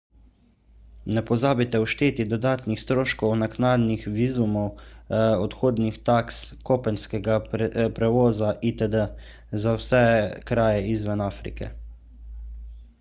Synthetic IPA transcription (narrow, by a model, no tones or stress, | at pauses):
nɛpɔzaːbit̪ɛuʃt̪eːt̪id̪ɔd̪aːt̪nixst̪ɾoːʃkɔwnaknaːd̪nixʋiːzumɔw | ɔt̪xoːd̪nixt̪akskopɛnskɛɡapɾɛʋoːzaʔit̪əd̪ə | zawsɛkɾaːjɛizʋənaːfɾḭkɛ̰